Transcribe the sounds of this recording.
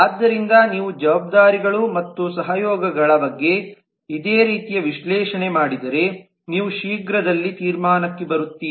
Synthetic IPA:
aːd̪ːɐɾind̪ɐniːʋud͡ʒɐʋaːb̚d̪aːɾiɡɐɭumɐt̪ːusɐɦɐjɔːɡɐɡɐɭɐbɐɡːe̞ | id̪eːɾiːt̪ijɐʋiʃlɛːʃɐne̞maːɽid̪ɐɾe̞ | niːʋuʃiːɡɾɐd̪ɐlːit̪iːɾmaːnɐkːebɐɾut̪ːiː

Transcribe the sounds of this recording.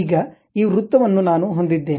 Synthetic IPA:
ɡɐ | iːɾut̪ːɐʋɐnːunaːnuɦo̞nd̪id̪ːe̞ːn

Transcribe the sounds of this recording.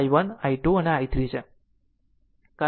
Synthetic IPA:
jʋənaiʈuəneajt̪ɾit͡ɕʰe | ka

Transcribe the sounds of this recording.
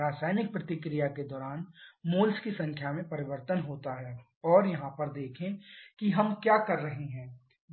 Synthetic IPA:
aːsaːɪnɪk̚pɾɐt̪ɪkɾijaked̪ɔːɾaːnmoːlskisɐ̃ŋkʰjamẽpɐɾɪʋəɾt̪ənɦoːt̪aɦɛ | ɔːɾjɐɦãpɐɾd̪eːkʰẽkiɦɐmkjaːkɐɾːɐɦeɦɛ̃ː

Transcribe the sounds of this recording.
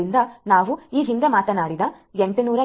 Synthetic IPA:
ind̪ɐnaːʋuiːɦind̪emaːt̪ɐnaːɽid̪ɐ | eɳʈunuːɾɐ

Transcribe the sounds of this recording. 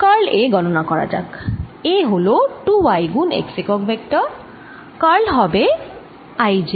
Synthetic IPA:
kaɹleɡɔnɔnakɔɹa̰d͡ʒa̰keɦoloʈuwajɡunḛksikɔkbʱɛk̚tɔ | kaɹlɦɔbe | ajd͡ʒi

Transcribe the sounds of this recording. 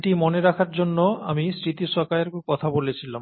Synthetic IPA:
ʈimoneɾakʰaɾd͡ʑonːoa̰misɾit̪iʃɔkaeɾkɔt̪ʰabolet͡ɕʰilam

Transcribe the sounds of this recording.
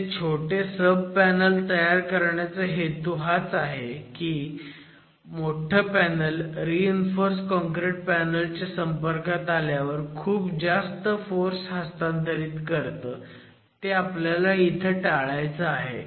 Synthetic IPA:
t͡ɕʰoʈesəb̚ʱpænəlt̪əjaɾkəɾɳjat͡səɦet̪uɦat͡saɦekiː | moʈʰəpænəlɾiinfoɾskɔŋkɾeʈ̚pænəlt͡ɕasəmpəɾkat̪aljaʋəɾkʰuːpd͡zast̪əfoɾsɦəst̪ant̪əɾiːt̪kəɾt̪əː | t̪eapljalait̪ʰəʈaɭajt͡səaɦḛ

